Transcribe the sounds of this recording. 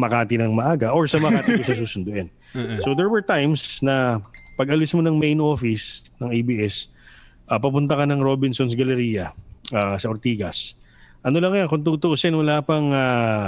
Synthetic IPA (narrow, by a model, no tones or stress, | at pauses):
mɐkaːt̪ɪnɐŋmɐʔaːɡɐʔoɹsɐmɐkaːt̪ɪkosɐs̬uːsʊnd̪ʊʔɛn | sod̪ɛɹwɛɹt̪ajmsnɐpɐɡʔɐlɪsmonɐŋmejnʔo̞ːfɪsnɐŋejbiʔɛs | ʔɐpɐp̬ʊnt̪̬ɐkɐnɐŋɾo̞ːbɪnsonsɡɐlɛɾiːjɐʔasɐʔoɾt̪iːɡɐ̰s | ʔɐno̞lɐŋɐjonkont̪̬uːt̪ʊʔosɛnwɐlaːpɐŋa